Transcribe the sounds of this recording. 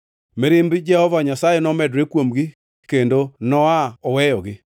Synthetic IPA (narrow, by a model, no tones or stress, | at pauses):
meɾɪmbɪd͡ʒɛhɔvaɲasajenɔmɛdɾekwomɡɪ | kendonɔaɔwɛjɔɡɪ